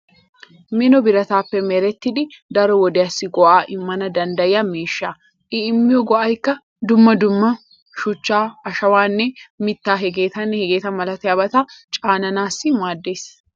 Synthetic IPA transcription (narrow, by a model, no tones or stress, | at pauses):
mɪnɔbɪɾɐt̪aːpːɛmɛɾɛt̪ːɪd̪ɪd̪ɐɾɔwɔd̪ɪjɐsːɪɡɔʔaːʔɪmːɐnɐd̪ɐnd̪ɐjɪjɐmiːʃːa | ʔɪːmːɪjɔɡɔʔɐjkːɐ | d̪ʊmːɐd̪ʊmːɐ | ʃʊt͡ʃːaːɐʃɐwaːnːɛmɪt̪ːaːɦɛɡe̞ːt̪ɐnːɛhɛɡeːt̪ɐmɐlɐt̪ɪjɐbɐt̪aːt͡ʃʼaːnɐnaːsːɪmaːd̪ːe̞ːs